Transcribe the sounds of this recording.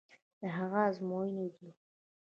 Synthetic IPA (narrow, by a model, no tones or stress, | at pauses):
d̪̥əɦaɣazmojined̪lu